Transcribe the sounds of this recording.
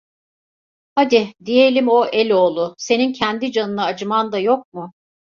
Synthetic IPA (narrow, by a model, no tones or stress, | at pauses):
had̪ɪd̪ije̞lʲimo̞ʔelʲo̞ːlˠʊse̞nincʰɛnd̪id͡ʒanɯnaːd͡ʒɯmand̪ajo̞k̚mʊ